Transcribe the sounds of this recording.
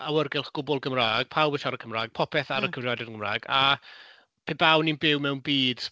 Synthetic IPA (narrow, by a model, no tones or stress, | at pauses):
awərɡɪlˠχɡ̥ʊbɔlˠɡəmraːɡ̥̚pʰawbɪʃaɾəkʰəmraːɡ̥̚pʰɔpʰɛθaɾəkʰəmrjadɛdŋɡəmraːɡa | pʰebawninbɪwmɛwnbiːd̥